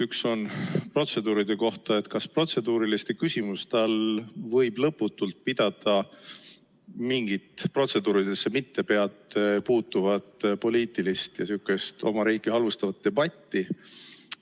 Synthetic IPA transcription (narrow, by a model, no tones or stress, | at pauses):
ykso̞npro̞t̪se̞d̪uːɾid̪̥e̞ko̞ht̪ɑe̞t̪ˑkɑspro̞t̪se̞d̪uːɾilist̪e̞kysʲimust̪ɑlvɤ̞jb̥lɤpːut̪ːˑult̪̚pid̪̥ɑd̪̥ɑ | miŋɡ̥it̪ˑpro̞t̪se̞d̪̥uːɾid̪̥e̞sːe̞mit̪ːe̞pe̞ɑt̪ːepuːt̪ːuvɑt̪ˑpo̞liːt̪ˑilist̪jɑsykːˑe̞st̪o̞mɑɾiːɡihɑlvust̪ɑvɑt̪̚ːe̞bɑt̪ʲːi